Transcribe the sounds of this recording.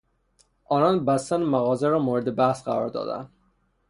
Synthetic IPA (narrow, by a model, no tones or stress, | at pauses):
ʔɒːnɒnbæst̪ænmæɣɒːzeɾɒːmoːɾed̪ebæhsɢæɾɒːɾd̪ɒ̰ːd̪æ̰nd̪̥